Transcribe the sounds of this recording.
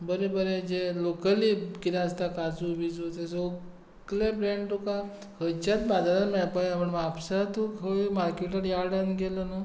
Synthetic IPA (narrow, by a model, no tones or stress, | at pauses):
bəɾebəɾed͡ʑelokəlikiɾaəst̪akad͡zuʋid͡zt̪eso | klebɾeɳʈuka | hət͡ɕat̪bad͡zaɾaɾmɛɭpajapəɳmːpsat̪ukʰoimaɾkeʈəɾjaɾɽanɡeləna